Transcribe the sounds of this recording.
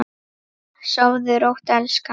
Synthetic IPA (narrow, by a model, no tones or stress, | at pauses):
saːwðʏɾowht̪alska